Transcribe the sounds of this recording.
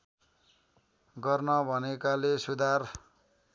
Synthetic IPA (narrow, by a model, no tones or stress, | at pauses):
ɡʌrnʌbʱʌnekalesud̪ʱar